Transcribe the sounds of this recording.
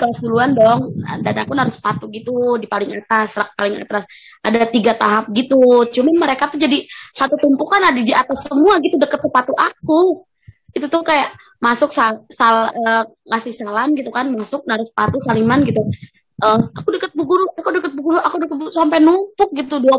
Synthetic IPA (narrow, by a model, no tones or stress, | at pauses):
kəsd̪uluandɔŋ̰danakunaɾʊspat̪uɡit̪udipalɪŋa̰t̪asɾak̚palɪŋa̰t̪ɾas | ʔadat̪iɡat̪aɦap̚ɡit̪ut͡ʃumanməɾekat̪ud͡ʒadisat̪ut̪umpukanadid͡ʒiat̪asːəmuaɡit̪udəkət̪̚səpat̪uʔaku | it̪ut̪ʊhkajaʔ | masʊksasaləː | ŋasɪhsalamɡit̪ukanmasʊk̚naɾʊspat̪usalimanɡit̪u | ʔəmakudəkət̪̚bəɡuɾuakudəkət̪̚bəɡuɾuakudəkət̪̚busampajnumpʊk̚ɡit̪udua